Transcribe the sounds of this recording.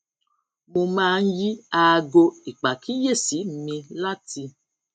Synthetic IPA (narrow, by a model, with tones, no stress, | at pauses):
mo˧mãː˦˧n̩˦ji˦a˧ɡo˧i˨k͡pa˨ki˦je˦˨si˨˦m̩˨˦mĩ˧la˦ti˧